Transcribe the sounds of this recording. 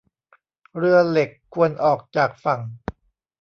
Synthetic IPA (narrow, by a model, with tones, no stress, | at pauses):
ɾɯ˥˩əle˨˩kʰːu˧ənʔɔː˨˩k̚t͡ɕaː˨˩k̚fa˨˩ŋ